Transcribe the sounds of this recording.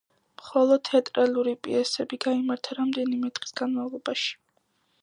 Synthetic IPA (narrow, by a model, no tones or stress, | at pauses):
mχɔlˠɔd̪̥̚ʰtʰːɛt̪ʼɾaluɾipʼḭɛsɛbiɡaimaɾt̪ʰaɾamd̪ɛnimɛt̪ʼχʼi̥sɡanmavlˠɔbaʃi̥